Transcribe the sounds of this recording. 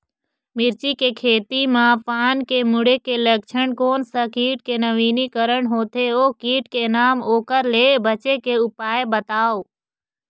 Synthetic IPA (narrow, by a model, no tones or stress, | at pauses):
mɪɾt͡ʃikekʰeːt̪imãpaːnkemʊɽekelɐk̚t͡ʃʰəɳkoːnsəkiːʈ̚kenɐʋiːnikəɾəɳɦoːt̪ʰeoːkiːʈkenaːmoːkəɾleːbət͡ʃekeʊpaːebət̪aːo